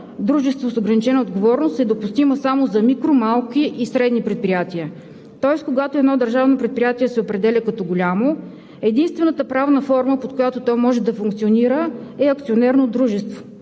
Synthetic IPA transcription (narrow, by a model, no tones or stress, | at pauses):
d̪ɾuʒɛst̪vosoɡɾɐnit͡ʃɛnəod̪ɡovɔɾnost̪ɛd̪opust̪iməsamozɐmikɾomalˠkiʔisɾɛd̪nipɾɛt̪̚pɾʲijat̪iə | t̪ɔɛskoɡat̪oɛd̪nɔd̪ɐɾʒavnopɾɛt̪̚pɾijat̪iɛsɛopɾɛd̪ɛlʲɛkɐt̪ɔɡolʲamo | ɛd̪inst̪vɛnət̪əpɾavnəfɔɾməpot̪̚kojat̪ot̪ɔjmɔʒɛd̪ɐfuŋk̚t̪sioniɾəɛɐkt̪sionɛɾnod̪ɾuʒɛst̪vo̥